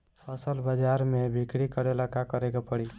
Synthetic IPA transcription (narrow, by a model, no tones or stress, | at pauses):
əsəlbəd͡ʒaɾmebʱikɽikəɾelakakəɾeɡapəɽi